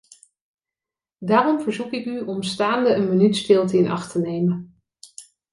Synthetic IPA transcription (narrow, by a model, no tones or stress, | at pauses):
daːrɔmvəɹzukɪkyʔɔmstaːndəənmənytsdɪːlˠtɪnʔɑ̰χtənejmən